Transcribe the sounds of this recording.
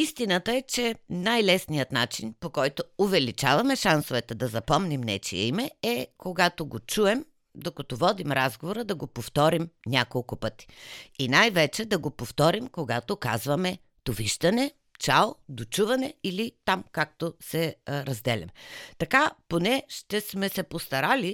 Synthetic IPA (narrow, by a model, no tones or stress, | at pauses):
ist̪inət̪əɛt͡ʃɛnajlɛsnijət̪nat͡ʃinpokɔjt̪oʊvɛlit͡ʃavɐmɛʃansovɛt̪ɛd̪ɐzɐpɔmnimnɛ̰t͡ʃḭɛ̰imɛɛkoɡat̪oɡot͡ʃuɛm | d̪okɐt̪ɔvɔd̪imɾazɡovoɾəd̪ɐɡopoft̪ɔɾimnʲakolˠkʊpɤt̪i̥inajvɛt͡ʃɛd̪ɐɡopoft̪ɔɾimkoɡat̪oka̰zvɐmɛ | t̪oviʒd̪ɐnɛ | t͡ʃalˠd̪ot͡ʃuvɐnɛilit̪amkak̚t̪osɛɾɐzd̪ɛlʲɐ̰mɛt̪ɐkaponɛʃt̪ɛsmɛsɛpost̪ɐɾali